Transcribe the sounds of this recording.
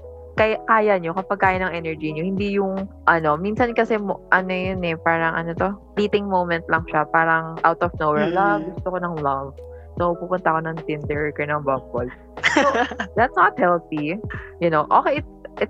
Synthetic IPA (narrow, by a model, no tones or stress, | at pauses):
kɐjkaːjɐɲo̞kɐpɐɡ̚kaːjɐnɐŋʔɛnɛɹd͡ʒiɲohɪnd̪ijʊŋʔɐno̞minsɐnkɐsɛmʔɐnojonɛpaːɾɐŋʔɐnot̪opliːt̪ɪŋmowmɛnt̪̚lɐŋʃapaːɾɐŋʔawt̪ɔfnowwɛɹlɐɡʊst̪okonɐŋlɐv | sopuːpʊnt̪ɐko̞nɐŋt̪ɪnd̪ɛɹkɛnɐŋbɐmbol | sod̪ɐt̪snɐt̪̚hɛlθijʊnoʔoːkejɪt̪̚ʔɪt̪̚